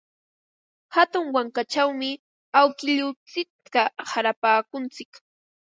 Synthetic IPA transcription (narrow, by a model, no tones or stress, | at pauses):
hat̪ʊŋwaŋkat͡ʃawmɪ | awkɪʎʊt͡sɪk̚t̪ahaɾapaːkʊnt͡sɪk